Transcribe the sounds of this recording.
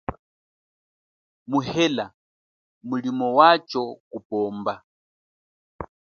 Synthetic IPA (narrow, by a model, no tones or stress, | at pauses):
muhɛla | mulimɔwat͡ʃɔkupɔːmba